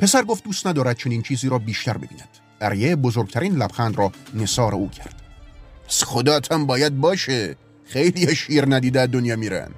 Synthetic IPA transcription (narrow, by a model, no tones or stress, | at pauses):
pʰe̞sæɾɡoft̪̚duːst̪næd̪ɒːɾæd̪̚t͡ʃʰe̞niːnt͡ʃʰiːziːɾɒːbiːʃt̪æɾbe̞biːnæd̪̥ | ʔæɾjebozoɾɡ̚t̪ʰæɾiːnlæb̥xænd̪rɒːne̞sɒːɾeuːcʰæɾd̪̥æsχod̪ɒːt̪ʰæmbɒːjæd̪̚bɒːʃe | xejliːɒʃiːɾnæd̪iːd̪eæd̪onjɒːmiːɾæ̰n